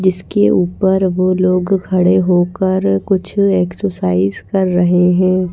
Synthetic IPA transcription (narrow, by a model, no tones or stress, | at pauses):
d͡ʒɪskeʔuːpəɾʋoːloːɡkʰɐɽeɦoːkəɾkʊt͡ʃʰeːksəsaːɪzkɐɾːɐɦeɦɛ̃ː